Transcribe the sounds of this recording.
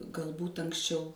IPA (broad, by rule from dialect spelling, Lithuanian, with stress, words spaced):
ɡɐlˠˈbuːt ɐŋksʲˈt͡ʃʲɛʊ